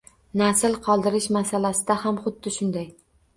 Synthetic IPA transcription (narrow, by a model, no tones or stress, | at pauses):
nasɪlˠqʰɒlˠd̪ɪɾɪʃmasalasɪd̪ahamχʊd̪ːɪʃʊnd̪aj